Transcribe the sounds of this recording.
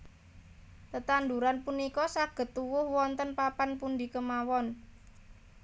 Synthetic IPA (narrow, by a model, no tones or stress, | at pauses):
t̪ət̪and̪uɾanpunikɔsaɡ̥ə̤t̪ːuwʊhwɔnt̪ənpapanpund̪ikəmawɔn